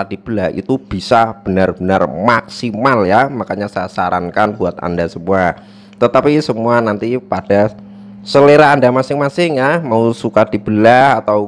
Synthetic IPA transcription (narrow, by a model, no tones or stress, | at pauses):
ad̥ib̥əlahḭt̪ub̥i̤sab̥ənarb̥ənarmaksimaljamakaɲasajasaɾankanbuat̪a̰ndasəmua | t̪ət̪apisəmuanant̪ipad̥a | səleɾaːndamasɪŋmasɪŋjamausukad̥i̤b̥əlaat̪aw